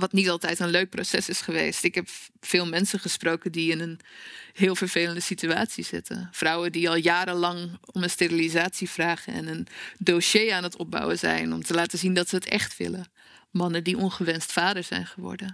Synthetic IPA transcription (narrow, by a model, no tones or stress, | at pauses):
ʋɑtnitɑlˠtɛjtənløɥk̚prosɛsɪsχəʋḛjstɪkɦɛpfɪːlˠmɛnsənχəsprowkəndiɪnənɦɪːlˠvəɹv̥ejləndəsitya̰ːtsiz̥ɪ̰tʰə̰nfrʌwəndiɑlˠjaːɾəlɑŋɔmənsterilizaːtsivraːχənɛ̰nəndoʃejaːnɦətɔb̚bɑ̰wənzɛ̰jnɔ̰mtəlaːtəzindɑtsəətɛ̰χtʋɪ̰lə | mɑnəndiʔɔnχəʋɛnstfaːdəɹzɛ̰jnχəʋɔ̰ɹdən